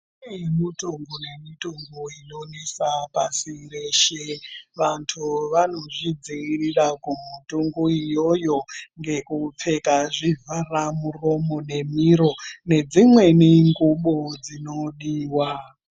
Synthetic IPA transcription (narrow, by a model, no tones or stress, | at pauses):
emituŋɡune̞mituŋɡuino̞nesapasireʃeʋantʰuʋano̞ʐid͡ziirirakumutuŋɡuijo̞jo̞ŋɡe̞kup͡fe̞kaʐivʱaramuro̞mo̞ne̞miɾo̞ne̞d͡zimwe̞niŋɡuɓod͡zino̞ɗiːwa